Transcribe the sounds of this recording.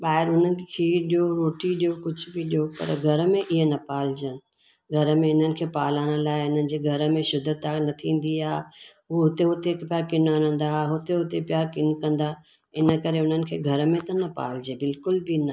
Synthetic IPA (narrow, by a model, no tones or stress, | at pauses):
ɓaːɦɪɾɦʊn̤ənɪ̆kʰeːɗijoɾoːʈiɗijokʊd͡ʑʱʊbiɗijopɐ̰ɾɡʱɐɾəmẽʔɪɦenɐpaːl̤d͡ʑənɪ̆ | ɡʱɐɾəmẽɪn̤ənɪ̆kʰeːpaːlaːɽ̃əlaːɪʊn̤ənɪ̆d͡ʑeːɡʱɐɾəmẽʃʊd̪ʱːət̪anɐt̪ʰĩːn̆d̪iaː | ʊɦʊt̪eɦʊt̪ekpijakɪnanə̃n̆d̪aɦʊt̪eɦʊt̪epijakɪnkɐ̃nd̪a | ɪnə̆kɐɾeʊn̤ənɪ̆kʰeːɡʱɐɾəmẽt̪ɐnɐpa̰ːl̤d͡ʑebɪlkʊlbinɐ